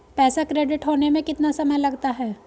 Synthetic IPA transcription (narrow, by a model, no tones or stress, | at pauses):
pɛːsakɾeːɖɪʈɦoːnemẽkɪt̪nasɐməjlɐɡt̪aɦɛː